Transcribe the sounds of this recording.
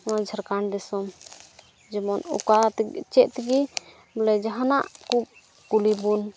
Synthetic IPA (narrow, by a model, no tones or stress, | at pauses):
ad͡ʒʱəɾkaɳdɛsɔm | d͡ʒɛmɔnṵkat̪t͡ʃɛʔ̚t̪ɛɡi | bɔlɛd͡ʒaɦanaʔku | kulibun